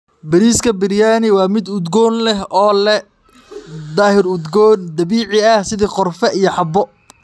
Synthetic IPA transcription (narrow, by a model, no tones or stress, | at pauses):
bɐɾiːskʰɐbɪɾjaːnɪwɑːmɪd̪ʊd̪ɡɔːnlɛɦɔːlɛ | d̪aːhɪrʊd̪ɡɔːnd̪ɐβiːʕɪɐhsɪðiqɔrfɛʔijɔħɑbɔ